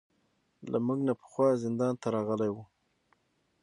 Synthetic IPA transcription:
lamuɡnapə̥xwɑzɪnd̪ɑnt̪aɾɑɣəlajwu

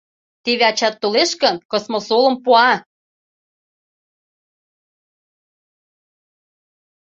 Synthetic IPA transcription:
t̪eβɑt͡ɕɑt̪ːoleʃkə̆nkɤ̆smosolə̆mpuɑ

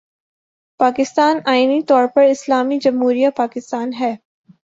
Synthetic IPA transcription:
paːkɪst̪aːnaːɪinit̪ɔːɾpɐɾɪslaːmid͡ʒɐ̃mɦuːɾijapaːkɪst̪aːnɦɛː

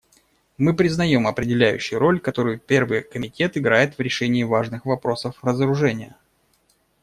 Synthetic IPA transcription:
mɨpɾʲɪznɐjo̞mɐpɾʲɪdʲɪlʲæjʉ̰ɕːɪjʊɾo̞lʲkɐt̪o̞ɾʊjʊpʲe̞rvɨjkəmʲɪtʲe̞t̪ɪɡɾajɪt̪vɾʲɪʂɛnʲɪːvaʐnɨxvɐpɾo̞səfrəzəɾʊʐɛnʲɪjə̰

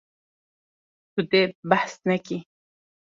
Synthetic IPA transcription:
t̪ut̪ebaħsnɛki

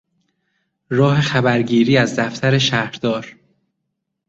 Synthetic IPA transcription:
ɾɒːhe̞xæbæɾɟiːɾiːæzd̪æft̪ʰæɾe̞ʃæhɾd̪̥ɒːɾ

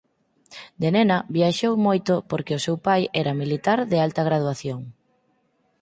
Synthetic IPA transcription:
d̪enɛnɐβjaʃowmojt̪ʊpoɾkeʊsewpajɛɾɐmilit̪aɾðealt̪ɐɣ̞ɾað̞waθjoŋ

